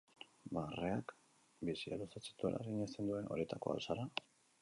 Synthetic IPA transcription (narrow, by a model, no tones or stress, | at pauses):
bareak | bisialusat͡se̥t̪uḛla̰rɾiɲast̪e̞nd̪ue̞nʔo̞̰ɾet̪ako̞̰a̰lsaɾa